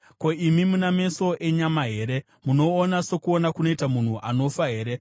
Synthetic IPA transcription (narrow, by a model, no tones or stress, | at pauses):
ko̞imimuname̞so̞ʔe̞ɲamaɦe̞ːɾe̞ | muno̞ːnaso̞kuonakuno̞itamun̤uʔano̞faɦe̞ːɾe̞